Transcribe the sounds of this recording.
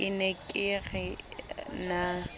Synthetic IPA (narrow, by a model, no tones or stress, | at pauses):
ɪnekʼɪɣɛ | na